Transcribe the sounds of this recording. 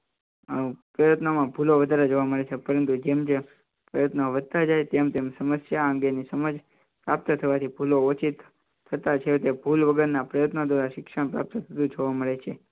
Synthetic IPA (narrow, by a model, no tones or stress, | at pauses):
pɾəjət̪namãbʱuloʋəd̪ʱaɾed͡ʒoʋaməɭet͡ʃʰepəɾənt̪ud͡ʒemd͡ʒe | pɾəjət̪naʋəd̪̚t̪ad͡ʒajt̪emt̪emsəməsjaə̃ŋɡenisəməd͡ʒ | pɾap̚t̪ət̪ʰəʋat̪ʰibʱuloot͡ʃʰit̪ | t̪ʰət̪at͡ʃʰet̪ebʱulʋəɡəɾnapɾəjət̪nad̪ʋaɾaʃɪkʃəɳ̃pɾa̰p̚t̪ət̪ʰəd̪ũd͡ʒoʋaməɭet͡ʃʰe